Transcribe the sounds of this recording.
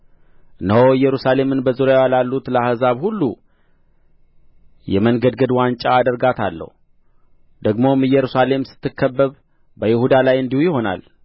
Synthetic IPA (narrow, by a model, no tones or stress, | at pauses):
ɨnəɦowɨjːɛɾusale̞mɨnbəzuɾjawalalːut̪ləahɨzaβhulːu | jɛmənɡəd̪ɡəd̪want͡ʃʼaːd̪əɾɡat̪ʰalːə̰hu | d̪̥əɡmo̞mɨjːɛɾusale̞msɨ̥t̪ʰːɨkʰːəbːəβ | bəjɪhud̪alajɨnd̪ihujɪho̞na̰l